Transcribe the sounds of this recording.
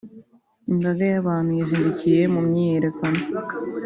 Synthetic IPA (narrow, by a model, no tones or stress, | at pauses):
iŋɡaɡajaβaːnhujaziːndicije̞mumɲijeɾe̞kano